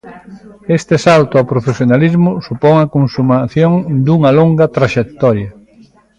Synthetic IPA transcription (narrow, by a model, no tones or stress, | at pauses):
est̪ɪsalt̪ʊawpɾofesjonalizmʊsupɔŋɐkonsumaθjoŋd̪uŋɐloŋɡɐt̪ɾaʃek̚t̪ɔɾjɐ